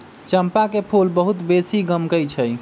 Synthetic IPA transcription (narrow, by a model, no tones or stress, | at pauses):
t͡ʃəmpakepʰulbəɦut̪besiɡəmkəjt͡ʃʰəj